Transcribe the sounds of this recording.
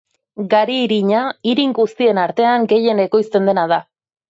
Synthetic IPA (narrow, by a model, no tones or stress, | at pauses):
ɡaɾiːɾiɲaiɾiŋɡust̪ie̞naɾt̪e̞aŋɡe̞je̞ne̞ko̞jst̪e̞nd̪e̞naða